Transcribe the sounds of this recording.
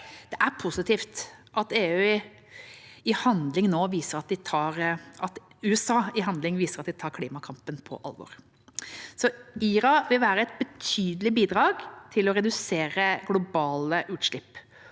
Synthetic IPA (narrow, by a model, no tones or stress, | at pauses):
d̪̥ɛʔæɾpʰʊsɪt̪iːft̪ʔɑt̪eːʉɪ | ɪhɑnd̪lɪŋnoːʋiːsəɾɑt̪̚d̪ɪt̪ʰɑːɾɑt̪ | ʉːəsɑːɪɦɑnd̪lɪŋʋiːsəɾɑt̪̚d̪ɪt̪ʰɑːɾkʰliːmɑkʰɑmpənpʰɔ̰ʔɑ̰lʋɔ̰ːɾ | sɔiːɾɑʋɪlʋæːɾəɛt̪̚bət̪ʰyːd̪əlɪbiːd̪ɾɑːɡt̪ʰɪlɔɾɛd̪ʉseːɾəɡlʊbɑːləʔʉːt̪ʂɭɪpː